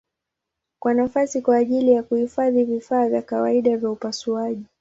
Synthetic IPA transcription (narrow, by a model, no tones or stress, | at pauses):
kwanafasikwaːʄilijakuhifaðivifaːvjakawaiɗavjaupasuaʄi